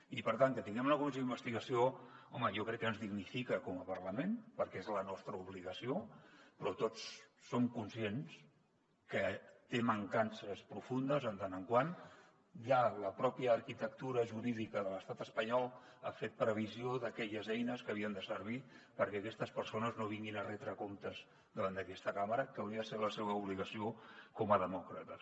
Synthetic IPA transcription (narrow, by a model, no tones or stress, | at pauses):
ipəɾt̪aŋkət̪iŋɡɛmunəkumis̬eimbəst̪iɣəsioɔməjɔkɾɛkːənzðiɣnifikəkɔməpəɾləmenpəɾkɛezlənɔst̪ɾəuβliɣəsiopɾɔt̪ot͡sːomkunsiens | kət̪eməŋkansəspɾufund̪əzənt̪anəŋkwan | ʒaləpɾɔpjəːɾkit̪ək̚t̪uɾəʒuɾiðikəðələst̪at̪əspəɲɔlˠ | afet̪̚pɾəβ̞izioðəkɛʎəzɛjnəskəːβiənd̪əsəɾβ̞i | pəɾkɛəkɛst̪əspəɾsonəznoβ̞iŋɡinərɛt̪ɾəkomt̪əz | d̪əβand̪əkɛst̪əkaməɾəkəwɾiəðəseləseβəuβliɣəsiokɔməðəmɔkɾət̪ə